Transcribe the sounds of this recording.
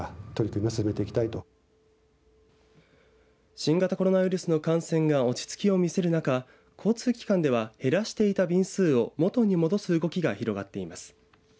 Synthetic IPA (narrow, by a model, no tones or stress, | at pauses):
t̪o̞ɾʲikɯ̟ɲ̟iasɨ̥sɨme̞t̪e̞ikʲi̥t̪ait̪o̞ | ɕĩŋɡat̪ako̞ɾo̞naβ̟iɾɯ̟sɨno̞kãɰ̃sẽ̞ŋɡao̞t͡ɕi̥t͡sɨ̥kʲio̞mʲise̞ɾɯ̟naka | kʰo̞ːt͡sɨːkʲi̥kãnd̪e̞β̞ahe̞ɾaɕi̥t̪e̞it̪abʲĩɰ̃sɨːo̞mo̞t̪o̞ɲ̟imo̞d̪o̞sɨɯɡo̞kʲiɡaçiɾo̞ɡa̰t̪ːe̞imasɨ̥